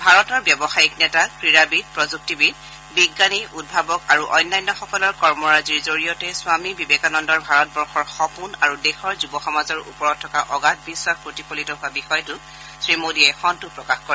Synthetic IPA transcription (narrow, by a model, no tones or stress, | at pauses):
bʱaɹɔtɔɹbjɔbɔxajiknɛtakɹiɹabid̚pɹɔzuk̚tibid̚ | biɡːaniʔud̚bʱabɔkaɹuʔɔjnːajnːɔxɔkɔlɔɹkɔɹmɔɹaziɹzoɹijɔtɛsʊamibibekanɔndɔɹbʱaɹɔt̚bɔɹxɔɹxɔpunaɹudexɔɹzubɔxɔmazɔɹṵpɔɹɔt̚tʰːɔkaʔɔɡat̚biswakpɹotikolitɔɦʊabixɔjtʊ | sɹimodiɛjxɔntʊpɹɔkaxkɔɹɛ